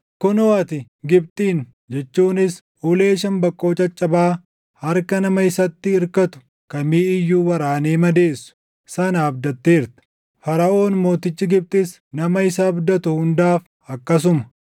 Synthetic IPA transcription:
kʊnɔɐt̪ɪ | ɡɪb̚t̪ʼiːn | d͡ʒɛt͡ʃːuːnɪs | ʔuːle̞ːʃɐmbɐkʼːoːt͡ʃʼɐt͡ʃʼːɐbaː | hɐɾkɐnɐmɐɪsɐt̪ːɪːɾkɐt̪ʊ̥ | kɐmiːɪjːuːwɐɾaːneːmɐd̪e̞ːsːʊ̥ | sɐnaːbd̪ɐt̪ːeːɪɾt̪ɛ̥ | fɐɾɐʔo̞ːnmo̞ːt̪ɪt͡ʃːɪɡɪb̚t̪ʼɪs | nɐmɐɪsɐːbd̪ɐt̪ʊhʊnd̪aːf | ɐkːɐs̬ʊmɐ̥

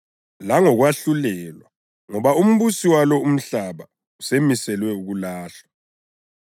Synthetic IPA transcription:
laŋɔɣwaɬulɛlwa | ŋɔβaum̩βusiwalɔum̩ɬaβa | usemisɛlwɛuɣulaːɬḁ

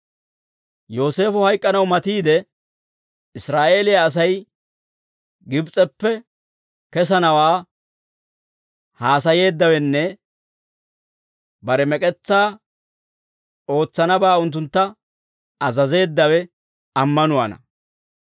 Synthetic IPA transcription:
jo̞ːse̞ːfɔhɐjkʼːɐnɐwmɐt̪iːd̪ɛ | ɪsɾaːʔe̞ːlɪjaːs̬ɐj | ɡɪbt͡sʼɛpːɛ | kɛs̬ɐnɐwaː | haːsɐje̞ːd̪ːɐwɛnːɛ | bɐɾɛmɛkʼɛt͡sːaː | o̞ːt͡sːɐnɐbaːʊnt̪̬ːʊnt̪ːɐ | ɐzɐze̞ːd̪ːɐwɛ | ɐmːɐnʊwɐ̰nɐ̰

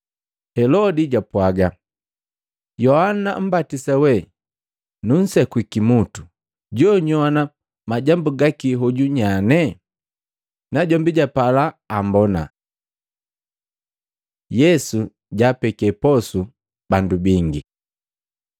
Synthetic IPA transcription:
hɛlɔdiɟapwaɡa | jɔhana̰m̩batisawɛ | nun̩sɛkwikimutu̥ | ɟɔɲɔana | maɟambuɡakiɦɔɟuɲanɛ | naɟɔmbiɟapalaːmbɔna̰ | jɛsu | ɟaːpɛkɛpɔsu | bandubiŋɡi

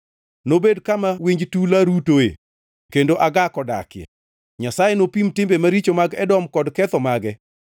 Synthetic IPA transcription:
nobedkamawiɲd͡ʒtulaɾutoḛ | kendoʔaɡakɔda̰kɪjɛ̰ | ɲasajenopimtɪmbemaɾit͡ʃomaɡɛdɔmkɔdkɛt̪ɔmaɡɛ

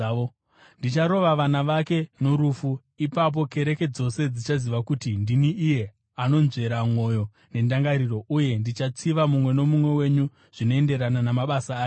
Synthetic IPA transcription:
o | ndit͡ʃaɾo̞ʋaʋanaʋake̞no̞ɾufu | ipap̬o̞ke̞ɾe̞ke̞d͡zo̞se̞d͡zit͡ʃaziʋakutindiniʔːje̞ | ano̞nze̞ɾamwo̞jo | ne̞ndaŋɡaɾiro̞ʔuje̞ndit͡ʃat͡siʋamumwe̞no̞mumwe̞we̞ɲu | ʐ̥ino̞e̞nde̞ɾananamaɓasaː

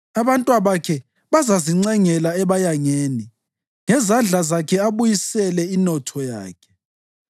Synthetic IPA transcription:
aβantʼwaβakʰɛ | βazaziŋ͡ǀɛŋɛlaɛβajaŋeːni | ŋɛzand͡ɮʱazakʰɛaβujisɛlɛinɔtʰɔja̰ːkʰɛ̥

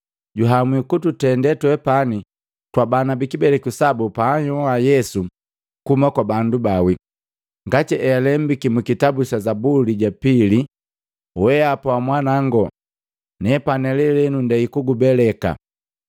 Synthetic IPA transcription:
ɟuɦamwikututɛndɛtwɛpani | twabanabikibɛlɛkusabupaːɲɔwajɛsu | kumakwabandubawi | ŋɡatiʔɛalɛmbikimukitabusazabuliɟapili | wɛapawamwanaŋɡɔ | nɛpanɛlɛlɛnundɛikuɡubɛlɛka̰

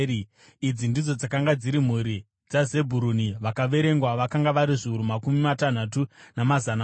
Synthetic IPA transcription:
id͡zindid͡zo̞d͡zakaŋɡad͡ziɾim̤uɾi | d͡zaze̞bʱuɾuniʋakaʋe̞ɾe̞ŋɡwaʋakaŋɡaʋaɾiʐiuɾumakumimatan̤at̬unamazana

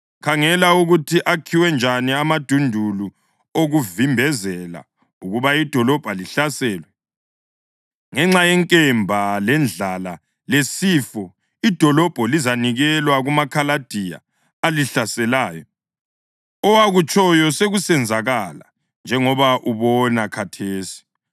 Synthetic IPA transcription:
kʰaŋɛlauɣutʰiʔakʰiwɛnd͡ʒʱaniamad̥ʱundʱulu | oɣuvimbʱɛzɛla̰ | uɣuβaid̥ʱɔlɔb̥ʱaliɬasɛːlwɛ | ŋɛŋ͡ǁajɛŋkʼɛmbʱalɛnd͡ɮala | lesiːfɔ | id̥ʱɔlɔb̥ʱɔlizaniɣɛlwaɣumakʰalad̥ʱija̰ː | liɬasɛlaːjɔ | ɔwaɣut͡ʃʼɔjɔseɣusɛnd͡zʱaɣala̰ | nd͡ʒʱɛŋɔβaʔuβɔnakʰatʰeːsi̥

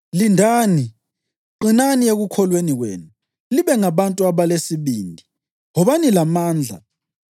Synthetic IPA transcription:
lindʱaːni | ǃinanieɣukʰɔlweniɣwḛːnu | liβɛŋaβantʼuaβalesiβiːndʱi | ɣɔβanilamaːnd͡ɮʱa̰

